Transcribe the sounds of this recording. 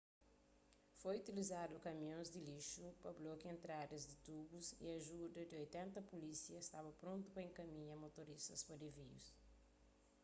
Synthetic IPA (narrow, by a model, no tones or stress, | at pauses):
fojut̪ilizad̪ʊkɐmĩõzd̪ɪliʃupɐblokɪẽnt̪ɾad̪ɐzd̪ɪt̪ubuzḭɐʒud̪ɐd̪ɪojt̪ẽnt̪ɐpulisiɐist̪abɐpɾõnt̪ʊpɐẽŋkɐmĩɲɐmot̪oɾist̪ɐspɐd̪evijṵs